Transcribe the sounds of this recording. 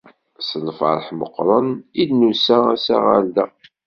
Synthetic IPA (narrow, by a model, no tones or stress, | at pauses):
səlfə̰ɾˤħmə̰qːɾˤənid̪nusææsæ̰ʁa̰ɾd̪æ